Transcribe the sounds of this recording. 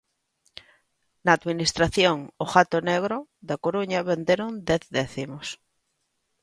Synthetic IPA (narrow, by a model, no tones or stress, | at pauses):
naːd̪minist̪ɾaθjoŋoxat̪oneɣ̞ɾoðakoɾuɲaβend̪eɾond̪eθðeθimos